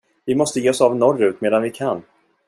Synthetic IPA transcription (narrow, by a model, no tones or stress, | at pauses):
vɪmɔst̪əjeːɔsavnɔrːʉ̟ːt̪meːd̪anvɪkʰanː